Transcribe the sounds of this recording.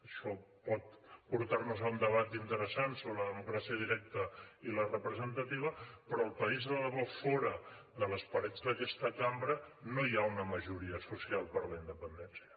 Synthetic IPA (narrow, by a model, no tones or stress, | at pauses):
əʃɔ | pɔt̪̚puɾt̪arnuzaund̪əβ̞at̪int̪əɾəsansoβləðəmukɾasiəðiɾɛk̚t̪əilərəpɾəzənt̪ət̪iβəpɾɔːlˠpəizðələβɔfɔɾəðələspəɾɛd͡zd̪əkɛst̪əkambɾənojaunəməʒuɾiəsusialˠpəɾləind̪əpənd̪ɛnsiə